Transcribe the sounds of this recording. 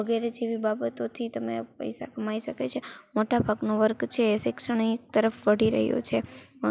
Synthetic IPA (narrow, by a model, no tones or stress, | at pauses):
əɡɛɾed͡ʒeʋibabət̪ot̪ʰit̪əmḛpə̰jsa̰kəmaiʃəket͡ʃʰemoʈabʱaɡnoʋəɾkt͡ʃʰeːʃɪksəɳiek̚t̪əɾəfʋəɽiɾə̰ɦjo̰t͡ʃʰe